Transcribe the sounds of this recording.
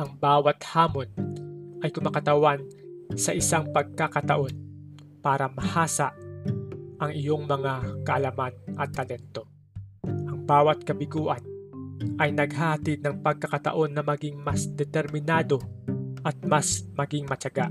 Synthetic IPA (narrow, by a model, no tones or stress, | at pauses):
ʔɐŋbaːwɐt̪haːmo̞nʔɐjkʊmakɐt̪ɐwansɐʔɪsaŋpɐɡ̚kakɐt̪ɐʔo̞n | paːɾɐmɐhaːsaʔ | ʔɐŋɪjo̞ŋmɐŋakɐʔɐlɐmanʔɐt̪ːɐlɛnt̪o̞ | ʔɐŋbaːwɐt̪̚kɐbɪɡuːʔɐnʔɐjnɐɡɦahɐt̪id̪̚nɐŋpɐɡ̚kːɐkɐt̪ɐ̰ʔo̞nːɐmɐɡiŋmɐsd̪ɛt̪ɛɾmɪnaːd̪o̞ʔɐt̪̚masmɐɡɪŋmɐt͡ʃɐɡaʔ